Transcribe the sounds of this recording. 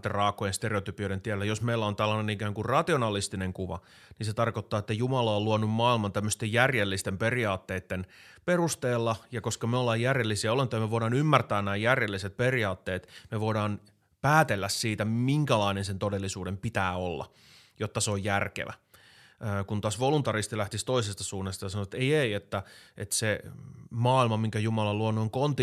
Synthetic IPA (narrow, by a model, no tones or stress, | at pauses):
t̪errɑːkːˑojenst̪eɾeot̪ypioɾent̪iælːæjosmeilːæont̪ælːɑnenikæːŋkurrɑt̪ionɑlist̪ineŋkuʋɑ̰ | ninset̪ɑrkot̪ːɑːet̪ːæjumɑlɑolluɑnummɑːilmɑnt̪æmːøst̪ejjærjelːist̪emperiɑːt̪ːeːt̪ːenperust̪eːlːɑjɑkoskɑmeolːɑːjjærjelːisiæolent̪ojɑmeʋoidɑːnymːært̪æːnnæːjjærjelːiset̪̚periɑːt̪ːeːt̪meʋoidɑːn | pæːt̪elːæssiːt̪æmiŋkælɑinensent̪odelːisuːdempit̪æːolːɑ̰ | jot̪ːɑseojjærkḛʋæ̰ː | kunt̪ɑsʋolunt̪ɑrist̪ilæht̪ist̪o̞isest̪ɑsuːnːest̪ɑjɑsɑnot̪ejeiet̪ːæḛt̪semɑːilmɑmiŋkæjumɑlɑluonːoiŋkont̪i